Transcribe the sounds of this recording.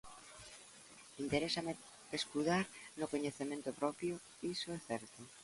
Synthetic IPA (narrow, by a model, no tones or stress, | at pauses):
int̪eɾesame | eskuðaɾnʊkoɲeθemẽnt̪opɾɔpjo | isoɛθɛɾt̪o